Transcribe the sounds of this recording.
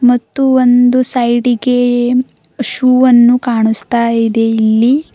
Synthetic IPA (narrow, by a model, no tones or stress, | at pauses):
mɐt̪ːuond̪usɐjɖiɡe | ʃuːʋɐnːukaːɳust̪aːid̪e̞ilːi